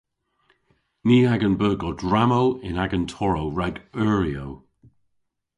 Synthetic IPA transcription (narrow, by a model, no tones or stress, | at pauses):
niːaɡənbəːɡɔdɹamowɪnaɡəntʰɔɹowɹaɡœːɹiow